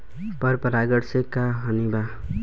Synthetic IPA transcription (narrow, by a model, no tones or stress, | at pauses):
pʌɾpʌɾaɡʌɽsekːaɦʌniba